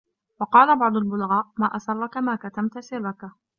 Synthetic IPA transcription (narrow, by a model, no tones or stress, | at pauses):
wɑqɑːlabɑʕd̪ˤʊlbʊlɣɑːʔmaːʔasɑrˤːakamaːkat̪amt̪asɪrːaka